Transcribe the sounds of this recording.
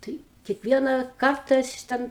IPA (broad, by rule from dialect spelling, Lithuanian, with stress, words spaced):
ˈtɐɪ kʲiɛkˈʋʲiɛnɑː ˈkɐrtɐ ɐʃ ˈtʲɛn